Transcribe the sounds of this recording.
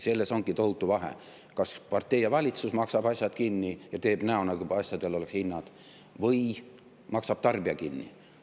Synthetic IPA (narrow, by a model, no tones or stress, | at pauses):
se̞lːe̞so̞ŋɡ̥it̪o̞hut̪ːˑuvɑɦḛ | kɑspɑrt̪ːˑe̞jːɑvɑlʲit̪susmɑksɑb̥ɑsʲjɑd̪̥kinːijɑt̪e̞ːb̥næonɑkuɑsʲjɑd̪̥e̞lo̞le̞ksinːɑd̪̥ | vɤj | mɑksɑb̥t̪ɑrb̥iɑkinːḭ